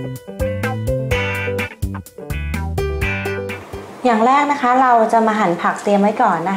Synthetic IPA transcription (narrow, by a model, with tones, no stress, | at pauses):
jaː˨˩ŋɾɛː˥˩k̚na˦˥kʰa˦˥ɾa˧wt͡ɕa˨˩maː˧ɦa˩˦npʰa˨˩k̚t̪i˧əmːa˦˥˩jkɔː˨˩nːa˦˥